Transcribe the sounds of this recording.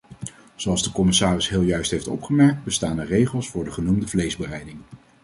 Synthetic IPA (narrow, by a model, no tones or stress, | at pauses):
z̥owɑlˠzdəkɔmɪsaːrɪsɦɪːlˠjœɥstɦejftɔ̰pχəmɛɹk̚t̚bəstaːnərejχəlˠsfʊːɹdəχənumdəvlejzbərɛjdɪŋ